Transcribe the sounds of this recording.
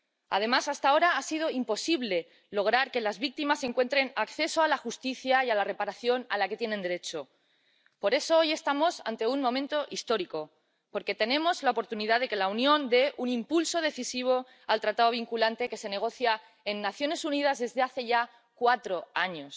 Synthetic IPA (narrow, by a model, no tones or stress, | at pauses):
a̰ð̞e̞masast̪ao̞ɾaasið̞o̞impo̞siβle̞ | lo̞ɣ̞ɾaɾke̞lazβik̚t̪imase̞ŋkwe̞nt̪ɾe̞nakθe̞so̞alaxust̪iθjaialare̞paɾaθjo̞na̰lake̞t̪jenẽnd̪e̞ɾe̞t͡ʃo̞ | po̞ɾe̞so̞oje̞st̪amo̞sa̰nt̪e̞unmõ̞mẽnt̪o̞ʔist̪o̞ɾiko̞ | po̞ɾke̞t̪e̞nẽ̞mo̞zlaopo̞ɾt̪uniðaðe̞ke̞launjõ̞nd̪e̞ʔunĩmpulso̞ð̞e̞θisiβ̞o̞ | alt̪ɾat̪aoβ̞iŋkulant̪e̞ke̞se̞ne̞ɣ̞o̞θja | e̞nːaθjo̞ne̞sunið̞azðe̞zðe̞aθe̞ʝa | kwat̪ɾo̞aɲo̞s